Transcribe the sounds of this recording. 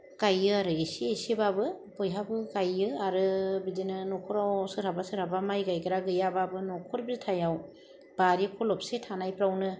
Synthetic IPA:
kajɯaɾɯesiesibabɯbɔjɦabɯkajɯaɾɯbidinɯnɔkʰɔɾawsɯɾhabasɯɾhabamajɡajkɯɾaɡɯjababɯnɔkʰɔɾbitʰajaw | b̥aɾikʰɔlɔp̚setʰanajpʰɾawnɯ

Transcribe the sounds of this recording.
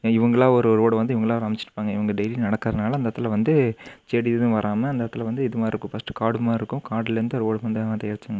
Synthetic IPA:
ɪʋɐŋɡɐɭaːɔɾɯɔɾɯoːɽɐʋɐnd̪ɯɪʋɐŋɡɐɭãːɾɐmɪt͡ʃːɪʈɯpːaːŋɡɐɪʋɐŋɡɐɖɐɪlinɐɽɐkːɾɐðɯnaːlɐɐnd̪ɐt̪ːɪlɐʋɐnd̪ɯt͡ʃeːɽiðɯ̃ʋɐɾaːmɐɐnd̪ɐt̪ːɪlɐʋɐnd̪ɯɪðɯmaːɪɾɯkːʊ̃fɐsʈːɯ̥kaːɽɯmaːɪɾɯkːʊ̃kaːɽɪlɐɾɯnd̪ɯɔɾɯoːɽʋɐnd̪ɯt̪ɐjaːɾt͡ʃːaŋɡɐ

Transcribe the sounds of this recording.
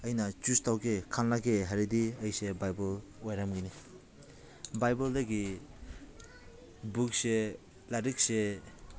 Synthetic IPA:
əjnat͡ʃustawɡekʰanlaɡeɦaɾidiəjsebajbɔl | ajɾamɡini | bajbɔldaɡi | buk̚se | laɾik̚se

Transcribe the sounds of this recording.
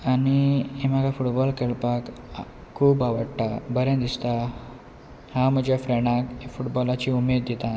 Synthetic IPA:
aniem̤əɡafuʈbɔlkeɭpak | kʰːuːbaʋəɽʈ̪abəɾẽnd̪ist̪a | hãm̤əd͡ʑjafɾɛɽ̃ãkefuʈbɔlat͡ɕiumed̪ːet̪a

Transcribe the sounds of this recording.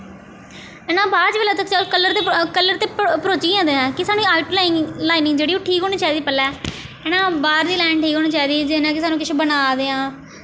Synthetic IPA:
ɛːnãːbaːɾt͡ʃʋelaːt̪̬əkt͡ʃalkəlːəɾt̪eːkəlːəɾt̪eːpəɾoːt͡ʃĩːãːd̪eːãːkɪsaːnũaːlplaːɪŋɡlaːɪnɪŋɡd͡ʒeːɽiːoːʈʰiːkɦoːñiːt͡ʃaːid̪iːpəlːɛː | ɛːnãːbaːɾd̪iːlɛːɳʈʰiːkɦoːɽniːt͡ʃaːid̪iːd͡ʒɪnãːkɪsaːnũːkɪʃʰeːbənaːd̪eːãː

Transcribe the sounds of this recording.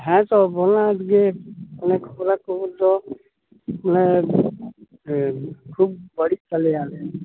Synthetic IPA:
ɦɛ̃t̪obonad͡ʒɡepnekʰobɾakoud̪o | pne | kʰub̚bəɽit͡ʃəleaːle

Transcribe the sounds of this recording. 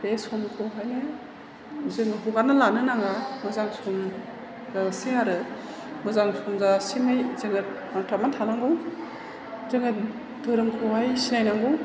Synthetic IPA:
ɾesɔmkʰoɦajnɯ | zɯŋɯɦuɡanalanɯnaŋamɯzaŋsɔm | ɡalseaɾɯ | mɯzaŋsɔmzasimajzɯŋɯ | atamantʰanaŋɡɯw | zɯŋɯ | dɯɾɯmkʰɔɦajsinajnaŋɡu

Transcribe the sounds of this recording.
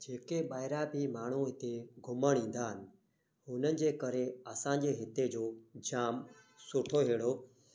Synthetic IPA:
d͡ʑeːkeɓaːɪɾabʱimaːɳ̤uɦɪt̪eɡʱʊməɽ̃ĩːn̆d̪aːɦɪnɪ̆ | ɦʊnənɪ̆d͡ʑeːkɐɾeɐsãːɲd͡ʑeːɦɪt̪ed͡ʑoːd͡ʑaːm | sʊʈʰoɦeːɽo

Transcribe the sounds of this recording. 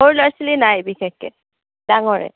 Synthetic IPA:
moɹlɔjsilinajbixɛkːɛ̰ | d̥aŋɔɹɛ̰

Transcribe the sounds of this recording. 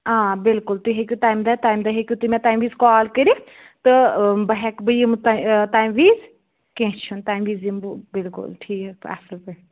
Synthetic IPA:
ãːbɪlkʊlt̪uɦekʲjutaːjmd̪at̪aːjmd̪aɦekʲjut̪umɛ̃t̪aːjmʋiːzkɔːlkəɾi | t̪ɨbɐɦɛkbəjimt̪t̪aːjmʋiːz | kẽt͡ʃʰunt̪aːimʋiːzimbbɪlkʊ̰lʈʰiːka̰səlpɐ

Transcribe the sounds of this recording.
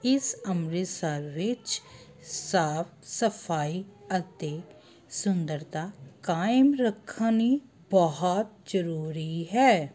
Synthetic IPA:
ɪsəmɾɪsaʋɪt͡ʃ | saːfsəpʰaːiət̪e | sʊnd̪əɾt̪akaːɪmɾəkʰːani | bəɦɔt̪̚d͡ʒəɾuːɾiɦɛː

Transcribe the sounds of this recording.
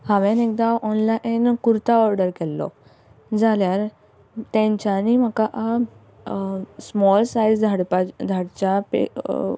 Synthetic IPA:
haʋɛ̃nek̚d̪aʔɔnlaʔnkuɾt̪aɔɾɖəɾkelːɔ̰ | d͡zaljaɾ | t̪ɛ̃ɲt͡ɕanimakaʔa | smɔlsaizd̪ʱaɽpad̪ʱaɽt͡ɕapḛ

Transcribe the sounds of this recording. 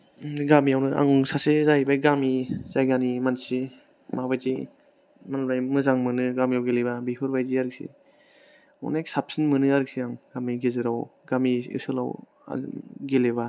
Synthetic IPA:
ɡamiawnɯʔa̰ŋsasezajbajɡamizajɡanimansi | mabajzij | manbajmɯzaŋmɯnɯɡamijawɡelebabipʰɯɾbajziaɾɯk̚sḭ | ɔ̰neksap̚sinmɯnɯaɾɯk̚siaŋɡamiɡezɯɾawɡamiḭsɯla̰w | a̰ɡeleba

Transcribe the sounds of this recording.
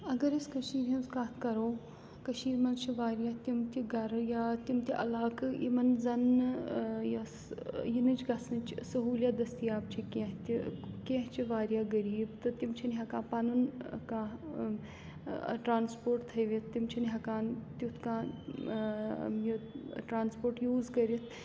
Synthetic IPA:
ɐɡɐɾiskɐʃiːɾɐnskãːt̪kɐɾoː | kɐʃiːɾmɐnt͡ʃʰiʋaːɾjaːt̪imt̪ʲiɡɐɾjaːt̪imt̪ʲiʔɐ̰laːkḭmɐnzɐn | ja | jinɨt͡ʃɡɐsnɨt͡ʃsɐɦuːljad̪ɐst̪ijaːp̚t͡ʃʰikẽɦt̪ʲikẽɦt͡ʃiʋaːɾʲjaːɡɐɾiːbt̪ɨt̪imt͡ʃʰinɦɐkãːpɐnunkãː | ʈɾaːnspoːɾʈt̪ʰɐjʋit̪̚ʰt̪imt͡ʃʰinɦɐkaːnt̪ut̪ʰkãː | juʈɾaːnspoːɾʈjuːzkɐɾit̪ʰ

